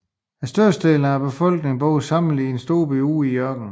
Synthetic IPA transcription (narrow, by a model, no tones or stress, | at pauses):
æsd̥øɐ̰sd̥e̝ːln̩æb̥e̝fɒ̽l̰ɡ̥ne̝ŋb̥ɔʊð̩ˠsɑ̈m̰n̩liensd̥o̝ːb̥eṵːijɶɐɡ̥n̩